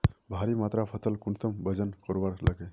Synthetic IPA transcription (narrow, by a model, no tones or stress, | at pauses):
bʱaɾimat̪ɾapʰəsəlkunsəmbəd͡ʒənkɔɾbaɾləɡe